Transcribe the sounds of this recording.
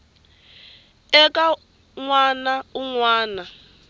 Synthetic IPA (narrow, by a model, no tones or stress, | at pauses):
ɛkʼa | ŋwanauŋwaːna